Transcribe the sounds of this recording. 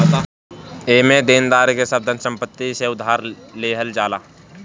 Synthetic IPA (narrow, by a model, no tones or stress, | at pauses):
eːmẽd̪eːnd̪aːɾkesəb̚d̪ʱənsə̃mpət̪ːiseʊd̪ʱaːɾleːɦəld͡ʒaːlaː